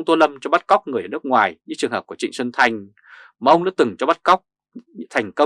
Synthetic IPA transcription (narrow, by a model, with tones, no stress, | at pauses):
ŋ͡mt̪o˧lə˧mt͡ɕɔ˧ɓa˦˥t̚kɔ˦˥wk͡p̚ŋɨ˨˩əjəː˨˩nɨ˦˥ək̚ŋwaː˨˩jɲɨ̰˧˥t͡ɕɨ˨˩əŋɦə˨˩kət͡ɕḭ˧˨ŋ̟sə˧nt̪ʰa˧˩jŋ̟ | maː˨ʔə˧ŋ͡mna̰ː˧˥t̪ɨ˨˩ŋt͡ɕɔ˧ɓa˦˥t̚kɔ˦˥wk͡p̚ | t̪ʰa˨˩jŋ̟kə˧